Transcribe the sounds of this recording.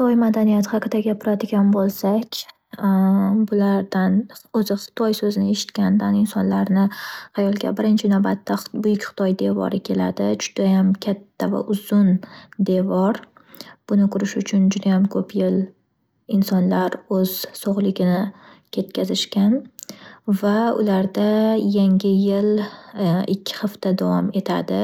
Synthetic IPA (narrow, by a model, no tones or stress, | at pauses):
t̪ʰɒjmad̪anijat̪hɑqʰɨd̪aɡʲapʰɪɾad̪ɪɡʲanbolˠsakʲ | bʊlaɾd̪anozɪχɨ̥t̪ʰɒjsɵzɪnɪe̞ʃɪ̥t̪kʲand̪anɪnsɒnlaɾnɪajɒlˠɡʲa̰bɪɾɪnt͡ʃʰɪnawbat̪ʰːabʊjɪkʲχɨ̥t̪ʰɒjd̪e̞vɒ̰ɾɪkʲʰe̞la̰d̪ɪd͡ʒʊd̪̥ajamkʲʰat̪ʰːava̰ʔʊzʊnd̪evɒɾ | b̥ʊnɪkʰʊɾɪʃʊt͡ʃʰʊnd͡ʒʊd̪ajamkʰɵpʰjɪl | ɪnsɒnlaɾɵz̥soʁlˠɪɡʲɪnɪ | kʲʰe̞t̪kʲʰazɪʃkʲan | vaʊ̰laɾd̪ajaŋʲɪjɪl | ɪkʲʰːɪ̥χɨft̪ad̪avɒme̞t̪ʰa̰d̪ɪ